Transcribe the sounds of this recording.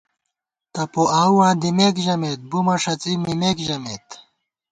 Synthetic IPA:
t̪ɐpoʔaːwwãːd̪imeːkʑɐmeːt̪̚bumɐʂɐt͡simimeːkʑɐmeːt̪

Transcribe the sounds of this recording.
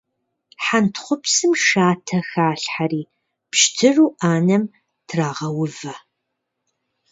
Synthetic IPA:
ħantʰχʷʊpsɨmʃaːtʰɐxaːɬħariː | pʃtʰɨruːʔaːnɐm | tʰraːʁɐwʊvɐ

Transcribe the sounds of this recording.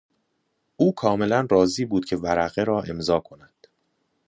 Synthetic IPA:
ʔuːkʰɒːme̞lænrɒːziːbuːd̪̚cʰe̞væɾæɣeɾɒːʔe̞mzɒːkʰo̞næd̪̥

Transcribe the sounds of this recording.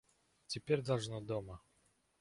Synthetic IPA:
tʲɪpʲeɾʲd̪ɐlˠʐnod̪omə

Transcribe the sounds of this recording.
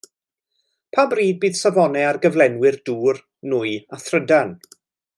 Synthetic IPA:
pʰabriːd̚biːð̥savɔnɛarɡəvlˠɛnwɪrduːr | nʊɨaθrədan

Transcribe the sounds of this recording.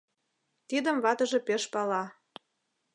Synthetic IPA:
t̪id̪ə̆mβɑt̪ɤ̆ʒĕpeʃpɑlɑ

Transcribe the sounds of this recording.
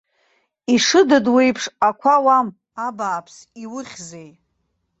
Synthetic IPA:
iʂɨdɨdwejpʰʂakʷʰawam | abaːpʰs | iwʊχʲzej

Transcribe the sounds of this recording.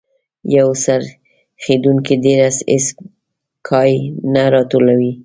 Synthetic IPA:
jawsaɾ | xed̪uŋkid̪eɾasḛs | kʰɑjnaɾɑt̪olawi

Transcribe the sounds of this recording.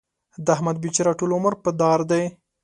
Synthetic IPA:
d̪əahmad̪̚bit͡ʃiɾɑʈulʊməɾpəd̪ɑɾd̪aj

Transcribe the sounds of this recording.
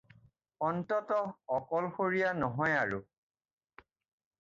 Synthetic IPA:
ɔntɔtɔɔkɔlxoɹijanɔɦɔjaɹu

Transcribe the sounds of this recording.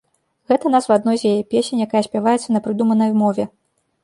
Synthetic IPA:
ɣɛt̪ɐnasvad̪nɔjzʲjajɛpʲesʲenʲjakajɐsʲpʲavajɛt̪sːɐnɐpɾɨd̪umɐnɐjmɔvʲɛ

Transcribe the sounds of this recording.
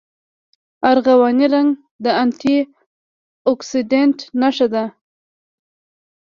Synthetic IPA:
aɾɣawɑniɾaŋɡ | d̪əant̪i | ɔksidenʈnaʃad̪a

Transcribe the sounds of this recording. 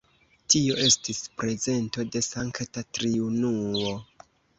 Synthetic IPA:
tio̞ʔe̞stispɾe̞ze̞nto̞de̞saŋktatɾiunuo

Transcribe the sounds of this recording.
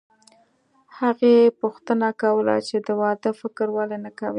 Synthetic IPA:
haɣepuxt̪ənakawəla̰t͡ʃed̪əwɑd̪əfɪkɾwalenakawi

